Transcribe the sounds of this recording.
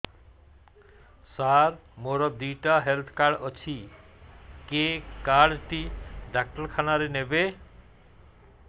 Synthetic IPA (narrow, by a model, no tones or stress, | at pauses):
saɾmoɾɔd̪ujʈaɦelt̪ʰkaɽʌt͡ʃʰi | kekaɽʈiɖak̚ʈʌɾkʰanaɾenebe